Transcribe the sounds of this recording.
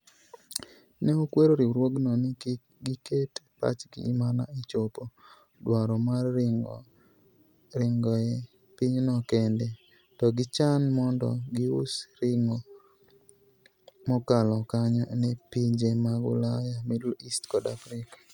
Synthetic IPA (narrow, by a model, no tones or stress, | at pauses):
neokweɾoɾiɾwoɡnɔnɪ | ɡɪketpa̰t͡ʃɡḭːmana̰it͡ʃopo | dwaɾɔma | ɪŋɡɔe | piɲnɔkende | tɔɡɪt͡ʃanmɔndɔ̰ɡɪʊsɾɪŋo | mɔkalɔkaɲɔnepiɲd͡ʒemaɡʊ̰lajamɪdlistkɔdafɾɪkḁ